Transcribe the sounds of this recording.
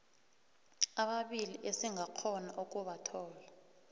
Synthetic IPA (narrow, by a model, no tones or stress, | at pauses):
aɓaɓiliʔesiŋʱaq͡χʰɔnaʔuk̬uɓatʰɔːla